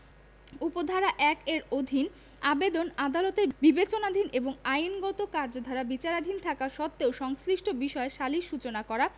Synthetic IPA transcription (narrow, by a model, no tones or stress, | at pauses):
upod̪ʱaɾaʔɛkeɾod̪ʱin | abed̪onad̪alot̪eɾbibet͡ɕonad̪ʱineboŋajnɡɔt̪okaɾd͡ʑod̪ʱaɾabit͡ɕaɾad̪ʱint̪ʰakaʃɔt̪ːeoʃɔŋsliʃʈʰobiʃɔeʃaliʃut͡ɕonakɔɾa